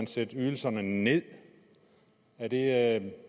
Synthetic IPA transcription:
ænsed̥yːl̩sɐnəne̝ð̰ˠ | æd̥e̝

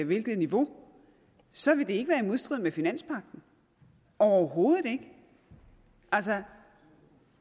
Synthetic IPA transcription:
ʋe̝lɡ̥ð̩ˠniʋo̝ | sɒ̽ʋe̝d̥e̝e̝ɡ̥əʋæːɐimo̝ðˠsd̥ʁið̰ˠmefinæn̰spʰɑ̈ɡ̥̚d̥n̩ | ʔɒʊɐɦo̝ːð̩ˠe̝ɡ̥ə | ʔæls̬ə

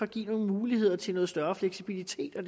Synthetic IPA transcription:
ɒɡ̥ḭːno̝ːn̩muːlihe̝ð̰ˠɐt͡sʰe̝lnɔ̽ð̩ˠsd̥ɶɐfleɡ̥sib̥ilit͡sʰe̝̰ːd̥ɒ̽d̥

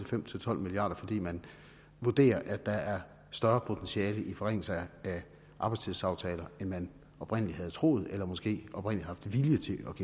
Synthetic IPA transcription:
efem̰t͡sʰe̝lt͡sʰɒ̽l̰miliɑ̰̈ːd̥ɐfɒ̽d̥ḭːmæn | ʋuɐd̥e̝̰ːɐʔæd̥ɑ̈æɐ | sd̥ɶɐpʰo̝t͡sʰensiɛːləʔifɒ̽ʁeŋ̰l̩sɐæ | ʔɑ̈bɑ̈ɪst͡sʰiðˠsɑ̈ʊt͡sʰɛːlɐenmæn | ɒ̽b̥ʁen̰əliɦæð̞̩ˠt͡sʰʁo̝̰ːð̩ˠelɐmɒ̽sɡ̥e̝̰ːʔɒ̽b̥ʁen̰lihɑ̈fd̥ʋiljət͡sʰe̝ɒ̽ɡ̥e

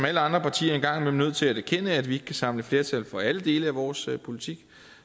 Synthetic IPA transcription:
mæləɑ̈nd̥ʁɐpʰɑ̈t͡sʰḭːɐe̝nɡ̥ɑ̈ŋ̰memnøð̞̰ˠt͡sʰe̝læɾæɐkʰenəæd̥ʋie̝ɡ̥əkʰæsɑ̈m̰ləfle̝ɐt͡sʰæl̰fɒ̽æləd̥e̝ːləæʋɒːspʰo̝lit͡sʰiɡ̥

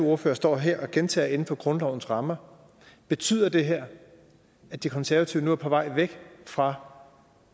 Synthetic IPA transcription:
oɐfø̰ːɐsd̥ɒ̰ːɦeɐ̰ɒ̽ɡ̥ent͡sʰɛ̰ːɐe̝n̩fɒ̽ɡ̥ʁɔ̽nlɒʊn̩sʁɑ̈mɐ | b̥e̝t͡sʰy̰ːð̰ˠɐd̥e̝ɦeɐ̰ | æd̥ikʰɒ̽nsæɐʋæt͡sʰiʊnuæɐpʰɒ̽ʋɑ̈ɪ̰ʋeɡ̥fʁɑ̈

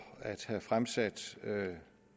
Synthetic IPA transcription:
æd̥hæfʁamsæd̥ø

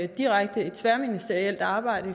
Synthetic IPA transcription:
d̥iʁɑ̈ɡ̥̚d̥əe̝d̥sʋæɐminisd̥eɐiel̰d̥ɑ̈ːb̥ɑ̈ɪ̰ɾ̥ə

